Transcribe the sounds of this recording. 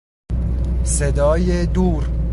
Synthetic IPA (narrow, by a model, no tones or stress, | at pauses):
sed̪ɒːjed̪uːɾ